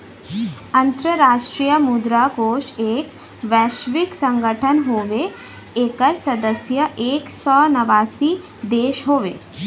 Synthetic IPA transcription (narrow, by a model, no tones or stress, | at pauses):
ɐnt̪ɾəɾaʂʈɾijəmud̪ɾakoːʂeːk | ʋɛʃʋiksəŋɡəʈʰənɦoʋe | eːkəɾsɐd̪əsjəʔeːksɔnɐʋasiː | d̪eːʃɦoːʋe